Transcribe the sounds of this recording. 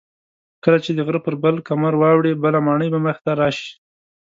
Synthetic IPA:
kəlat͡ʃed̪əɣɾəpəɾbəlkamaɾwɑwɽebəlamɑɳəjbaməxt̪aɾɑʃi̥

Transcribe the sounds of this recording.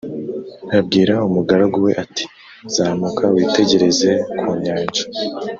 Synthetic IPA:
ɾab̚ɡiːɾaumuɡaɾaɡuwe̞̰ʔati̥ | zaːmukʰawiːte̞ɟe̞ɾe̞ze̞kʰuɲaːɲd͡ʒḁ

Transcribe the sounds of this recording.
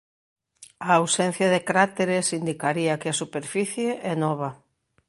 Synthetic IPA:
aawsɛn̟θjɐðɪkɾat̪eɾesind̪ikaɾiɐkɪasupeɾfiθjeʔɛnɔβɐ

